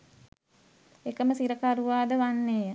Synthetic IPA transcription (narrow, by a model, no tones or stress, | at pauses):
ekəməsiɾəkaɾuʋaːd̪əʋanːeːjə